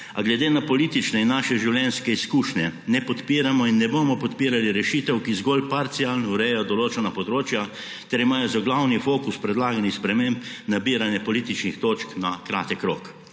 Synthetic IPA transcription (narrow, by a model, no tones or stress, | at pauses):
aɡlɛd̪eːnapɔliːt̪it͡ʃnɛinːaːʃɛʒiwljɛnskɛiskuːʃnɛnɛpɔt̪piːɾamɔinːɛboːmɔpɔt̪piːɾaliɾɛʃiːt̪ɛwkizɡolpaɾt̪sialnuɾɛjɛjɔd̪ɔloːt͡ʃɛnapɔd̪ɾoːt͡ʃja | t̪ɛɾimaːjɔzaɡlawnifoːkuspɾɛd̪laːɡanixspɾɛmẽmpnabiːɾanjɛpɔlit̪it͡ʃnixt̪oːt͡ʃknakɾaːt̪ɛkɾo̰ːk